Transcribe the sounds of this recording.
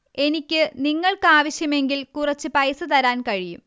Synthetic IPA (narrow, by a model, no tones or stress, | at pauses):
e̞nikʲːɨniŋːɐɭkɨaːʋɐɕjɐme̞ŋɡilkurɐt͡ɕːɨpɐjsɨt̪ɐɾaːnkɐɻijum